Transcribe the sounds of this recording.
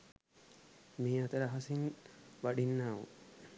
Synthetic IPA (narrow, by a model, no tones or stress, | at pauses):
miːat̪əɾaɦasinʋaɖinːaːʋṵ